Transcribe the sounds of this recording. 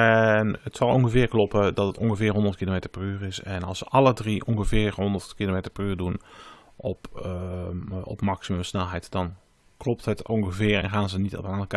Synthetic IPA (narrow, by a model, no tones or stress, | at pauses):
ɛnətsɑlˠɔŋχəvɪəɹklɔpədɔtətɔŋxəvɪːɦɔndərtkilomeːtəɹpryːrɪsɛnɑlˠsəʔɑlˠədriʔɔŋɣəvɪərɦɔndərtkilomeːtəɹpryːrdun | ʔɔp | ɔ̰pmaksimɵmsnɛlˠɦɛjtd̥ɑn | klɔp̚tɦətɔŋxəvɪərɛ̰nxaːnzənitɔ̰pnank